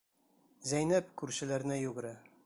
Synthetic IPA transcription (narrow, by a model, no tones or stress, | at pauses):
zæjnæpkʉɾɕɘ̆læɾnɘjʉɡɘ̆ɾæ